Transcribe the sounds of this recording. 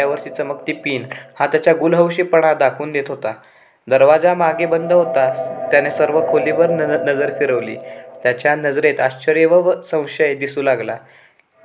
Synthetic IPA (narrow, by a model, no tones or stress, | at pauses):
aʋəɾɕit͡səməkt̪iːpiːnhãt̪jat͡ɕjaɡulɦəwɕiːpəɽ̃ad̪akʰuːnd̪et̪ɦot̪a | d̪əɾʋad͡zamaɡebənd̪ʱəɦot̪at̪janesəɾʋəkʰoliʋəɾnəd͡zəɾfiɾəʋlḭːt̪jat͡ɕjanəd͡zɾet̪aɕt͡ɕəɾjeʋəʋsə̃w̃ɕəjed̪isuːlaɡla̰